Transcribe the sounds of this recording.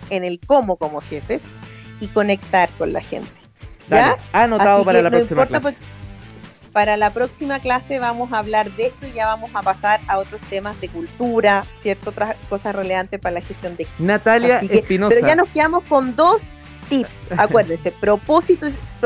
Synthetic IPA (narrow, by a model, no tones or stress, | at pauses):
enelko̞moko̞moxefesiko̞ne̞k̚t̪aɾkonla̰xḛnt̪e̥dʝaanoaðiopaɾelpnoimoɾt̪apoɾ | paɾalapɾoksimaklase̞βamosaːβlaɾðest̪oiʝaβamosapasaɾao̞t̪ɾost̪emazðe̞kult̪uɾasjeɾt̪oot̪ɾako̞sasreleant̪espaɾalaxest̪jo̞nd̪enat̪aljasieespinospeɾoʝano̞skeðamosko̞nd̪os | t̪ipsakwe̞ɾðensepɾo̞posit̪o